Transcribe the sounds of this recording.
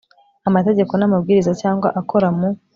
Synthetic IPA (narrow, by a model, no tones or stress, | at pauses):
amate̞ɟe̞ko̞namabɡiːɾizacaːŋɡwaʔakʰo̞ɾamu